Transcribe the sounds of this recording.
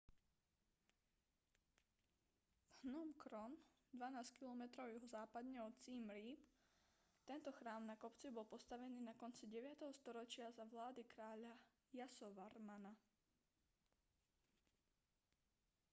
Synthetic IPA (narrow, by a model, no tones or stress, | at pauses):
vhnɔmkɾɔn | d̪ʋanaːskilɔmɛt̪ɾɔʊjɛɦɔzaːpad̪ɲɛɔt͡siːmɾiːp | t̪ɛnt̪ɔxɾaːmnakɔpt͡sibɔlpɔst̪aʋɛniːnakɔnt͡siɟɛʋɪat̪ɛɦɔst̪ɔɾɔt͡ʃɪazaʋlaːd̪ikɾaːʎa | jasɔʋaɾmana